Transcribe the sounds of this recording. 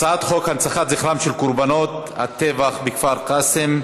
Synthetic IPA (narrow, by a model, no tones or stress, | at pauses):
t͡saat̪χo̞khant͡saχat̪ziχɾamʃelkuɾbano̞t̪ | ha̰t̪evaχbikfaʁqasem